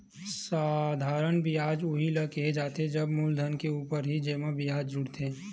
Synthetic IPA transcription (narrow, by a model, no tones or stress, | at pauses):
saːd̪ʱaːɾənbiaːd͡ʒʊɦiləkeɦed͡ʒaːt̪ed͡ʒɐbmuːld̪ʱənkeuːpəɾɦid͡ʒeːmabiaːd͡ʒd͡ʒʊɽt̪ʰẽː